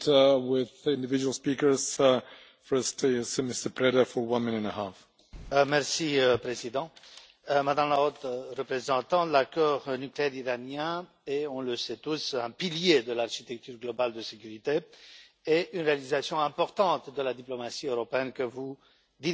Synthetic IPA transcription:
wɪðɪ̃ndɪvɪd͡ʒuwlˠspikə˞z̥ | fɜ˞stɪsmɪstə˞pʰɹɛɾəfə˞wʌ̃nmɪ̃nə̃nəhaf | mɛʁsiəpχezid̪ɑ̃ | mad̪ãmlaot̪ʁəpχezɑ̃t̪ɑ̃lakɔʁnykleɛʁiʁanjɛ̃ | eɔ̃ləsɛt̪usɛ̃piljed̪əlaʁʃit̪ɛk̚t̪yʁɡlɔbald̪əsekʲyʁit̪e | eʔynʁealizasjɔ̃ɛ̃pɔʁt̪ɑ̃t̪d̪əlad̪iplɔmasiøʁɔpeɛnkəvu | d̪i

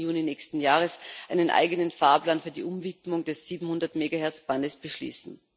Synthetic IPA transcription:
juːninɛːçstn̩jaːʁəsʔaɪnənʔa̰ɪɡənənfaːɐplaːnfyːɐdḭʔʊmvitmʊŋdɛsz̥iːbm̩hʊndɐtmeːɡahɛɐt͡sb̥andəsb̥əʃlḭːsn̩

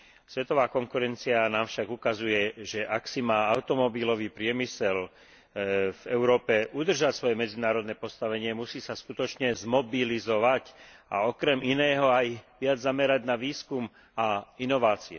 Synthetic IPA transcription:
sʋɛt̪ɔʋaːkɔŋkuɾɛnt͡sianaːmfʃaɡukazujɛʒɛʔaksimaːaʊt̪ɔmɔbilɔʋiːpɾɪɛmisɛl | vɛʊɾɔːpɛʔud̪r̩ʒacsʋɔjɛmɛd͡zinaːɾɔd̪nɛːpɔst̪aʋɛɲɪɛmusiːsaskut̪ɔt͡ʃɲɛzmɔbilizɔʋaca̰ɔkɾɛmʔinɛːɦɔajʋɪad͡zzamɛɾaɟnaʋiːskum | ainɔʋaːt͡siɛ

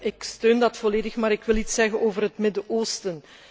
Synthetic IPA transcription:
ʔɪkstøːndɑtfɔleːdəxmaːɾɪkʋɪlˠitsɛɣənoːvərɦətmɪdəʔoːstən

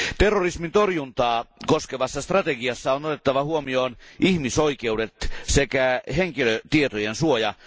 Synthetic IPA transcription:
t̪erːorismint̪orjunt̪ɑːko̞skeʋɑsːɑst̪rɑt̪eɡiɑsːɑonot̪et̪ːɑʋɑhuomio̞ːnihmiso̞ike̞ude̞t̪sekæɦeŋkiløt̪iet̪ojensuojɑ

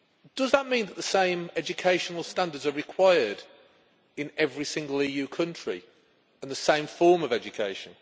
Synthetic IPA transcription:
d̥ʌzðəʔmĩnðəʔðəsẽɪ̃mɛd͡ʒɨkʰeɪʃənəlˠstãndədzəɹɪkʰw̥aɪəd | ɪ̃nɛvɹisɪ̃ŋɡəlˠiːjʉːkʰʌ̃nt͡ʃɹ̥ḭ | ə̃nðəsẽɪ̃ɱfɔːməvɛd͡ʒəkʰeɪʃə̃n

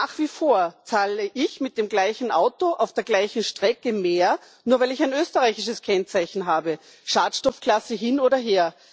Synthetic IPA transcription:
aːχv̥iːfoːɐt͡saːləʔɪçmɪt̚d̥eːmɡlaɪçn̩ʔaʊtoʔaʊfd̥eːɐɡlaɪçn̩ʃtʁ̥ɛkəmeːɐ | nuːɐvaɪlɪçaɪnøːstəʁaɪçɪʃəskʰɛnt͡saɪçn̩ɦaːbə | ʃaːtʃtɔfkʰl̥asəɦɪnoːdɐɦeːɐ

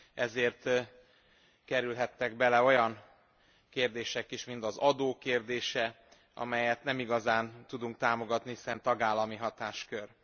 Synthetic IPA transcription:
ɛzeːrt̪ | kɛɾylɦɛt̪ːɛɡbɛlɛo̞jɒn | keːrd̪eːʃɛkiʃmint̪ɒzɒd̪oːkeːrd̪eːʃɛ | ɒ̰mɛjɛt̪nɛmiɡɒzaːnt̪ud̪uŋkt̪aːmo̞ɡɒt̪nihisɛnt̪ɒɡaːlːɒmiɦɒt̪aːʃkør

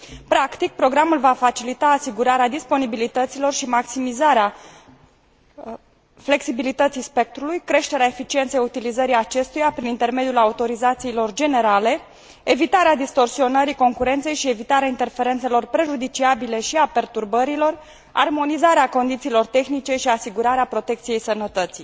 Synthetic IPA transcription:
pɾakt̪ik̚pɾo̞ɡɾamulvafat͡ʃilit̪aːsiɡuɾaɾead̪ispo̞nibilit̪ət̪silo̞rʃimaksimizaɾea | fle̞ksibilit̪ət̪sijspe̞k̚t̪ɾulujkɾe̞ʃt̪e̞ɾeaefit͡ʃie̞nt̪sejut̪ilizəɾijat͡ʃe̞st̪ujapɾinint̪e̞rme̞d̪julaut̪o̞ɾizat̪siːlo̞rd͡ʒe̞ne̞ɾale̞ | evit̪aɾead̪ist̪o̞rsio̞nəɾiko̞ŋkuɾe̞nt̪se̞jʃie̞vit̪aɾeaint̪e̞rfe̞ɾe̞nt̪se̞lo̞rpɾe̞ʒud̪it͡ʃiabile̞ʃiape̞rt̪urbəɾilo̞r | a̰rmo̞nizaɾeako̞nd̪it̪siːlo̞rt̪e̞xnit͡ʃe̞ʃiasiɡuɾaɾeapɾo̞t̪e̞kt̪sije̞jsənət̪ət̪sij

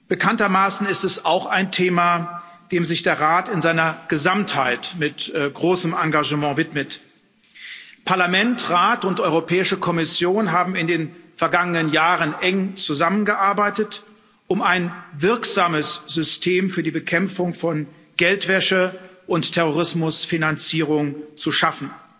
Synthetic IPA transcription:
b̥əkʰantɐmaːsn̩ɪstɛsaʊxaɪntʰeːma | d̥eːmzɪçd̥eːɐʁaːtɪnzaɪnɐɡ̥əzamthaɪtmɪtɡ̥ʁoːsəmaŋɡaʒəmɑ̃ːvɪtmət | pʰaɐlamɛntʁaːtʊntʔɔʏʁopʰɛːɪʃəkʰɔmɪsjoːnɦaːbm̩ɪndeːnfɛɐɡaŋənənjaːʁənʔɛŋt͡suzamənɡəʔaɐbaɪtət | ʔʊmaɪnvɪɐkz̥aːməsz̥ʏstʰeːmfyːɐdiːbəkʰɛmfʊŋfɔn | ɡ̥ɛltv̥ɛʃəʔʊnttʰːɛʁoʁ̞ɪsmʊsfinant͡siːʁ̞ʊŋt͡suʃafn̩

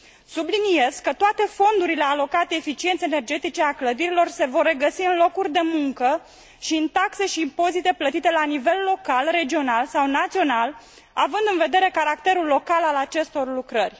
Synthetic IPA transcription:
sublinije̞z̥kːət̪oat̪e̞fo̞nd̪uɾile̞alo̞kat̪eefit͡ʃient̪sene̞rd͡ʒe̞t̪it͡ʃe̞akləd̪iɾilo̞rse̞vo̞rːe̞ɡəsiɨnlo̞kurʲd̪e̞muŋkə | ʃiɨnt̪akse̞ʃiːmpo̞zit̪e̞plət̪it̪e̞lanive̞lːo̞kalre̞d͡ʒio̞nalsawnat̪sio̞nal | avɨnd̪ɨnve̞d̪e̞ɾe̞kaɾakt̪e̞ɾulːo̞kalalat͡ʃe̞st̪o̞rlukɾərʲ

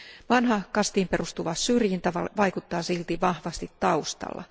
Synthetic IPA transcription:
ʋɑnhɑkɑst̪iːmperust̪uʋɑssyrjint̪ɑʋɑ̰ʋɑikut̪ːɑːsilt̪iʋɑhʋɑst̪it̪tɑust̪ɑ̰lːɑ̰

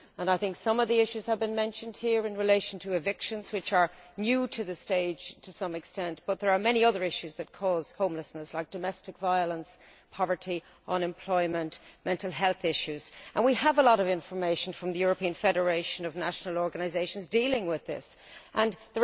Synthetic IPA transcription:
ə̃naɪθɪ̃ŋksʌ̃mʌvðiɪʃʉz̥əvbɨ̃nmɛ̃nʃə̃nd̥̚hiɹɨ̃nɹɨleɪʃə̃n̩tʰəɪvɪkʃə̃nz̥wɨt͡ʃə˞njʉɾʰɨðɨsteɪd̥ʒ̥tʰəsʌ̃mɨkstɛ̃nb̥ʌt̪̚ðə˞ːmɛñiʌðə˞ɪʃʉzðɨt̚kʰɔːz̥hõʊ̃mləsnəslaɪk̚d̥əmɛstɨkvaɪələ̃ns | pʰɑvə˞ɾi | ʔə̃nɛ̃mpʰl̥ɔɪmə̃nʔmɛ̃ntˡl̩ˠɦɛlˠθɪʃʉz̥ʔə̰̃nwiəvəlɔɾʌvɪ̃ɱfə˞meɪʃə̃n̩fɹʌ̃mðɨjʊɹəpʰĩɨ̃nfɛɾə˞eɪʃə̃nʌvnaʃnəlˠɔɹɡənaɪzeɪʃə̃nzdilɪ̃ŋwɪðɪ̰s | ʔə̃nðə

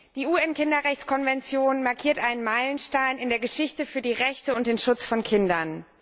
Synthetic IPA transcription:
d̥iːuɛnkɪndɐʁɛçt͡skʰɔnvɛnt͡sjoːnmaɐkʰiːɐtʔaɪnənmaɪlənʃtaɪnɪndeːɐɡəʃɪçtəfyːɐdiːʁɛçtəʊnt̚d̥eːnʃʊt͡sfɔnkʰɪndɐn

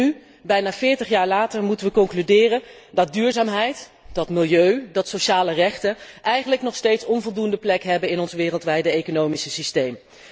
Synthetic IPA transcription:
y | bɛjnaːv̥ɪːɹtəχjaːɹlaːtəɹmutənʋəkɔŋklydɪːrən | dɑt̚dyːɹzaːmɦɛjt | d̥ɑtmɪlˠjøɥdɑtsowʃaːlərɛχtənʔɛjχənləknɔχstejtsɔnvɔlˠdundəplɛkɦɛbənɪnɔnzʋɪːrəlˠtʋɛjdəejkonowmisəsistejm

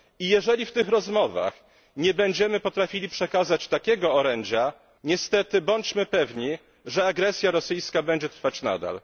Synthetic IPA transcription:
ijɛʐɛlʲift̪ɘxɾɔzmɔva̰x | ɲɛbɛɲd͡ʑɛmɘpɔt̪ɾafʲilʲipʂɛkazat͡ɕt̪akʲɛɡɔːɾɛɲd͡ʑa | ɲɛst̪ɛt̪ɘbɔɲt͡ɕmɘpɛvɲi | ʐɛaɡɾɛsʲjaɾɔsɘjskabɛɲd͡ʑɛt̪ɾfat͡ɕna̰d̪a̰l

